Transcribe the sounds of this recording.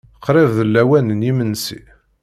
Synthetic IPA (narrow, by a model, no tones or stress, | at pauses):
əqːɾˤɪvðəlːæwænənimənsḭ